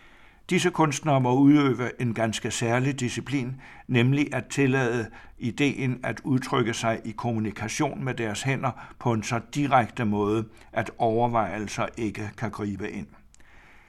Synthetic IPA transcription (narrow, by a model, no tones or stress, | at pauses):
d̥isəkʰɔ̽nsd̥nɐmɒ̽uðˠø̰ːʋəʔe̝nɡ̥ænsɡ̥əsæɐlid̥isipʰlḭːnːemliʔæt͡sʰe̝lɛ̰ðˠəid̥e̝̰ːnæd̥uðˠt͡sʰʁœɡ̥əsɑ̈ɪʔikʰo̝munikʰæɕo̝̰ːnmed̥æɐshen̰ɐpʰɒ̽e̝nsɒ̽d̥iʁɑɡ̥̚d̥əmɔ̽ːð̞ˠə | ʔæd̥ɒʊɐʋɑ̈ɪ̰l̩sɐʔe̝ɡ̥əkʰæɡ̥ʁḭːb̥əʔe̝n̰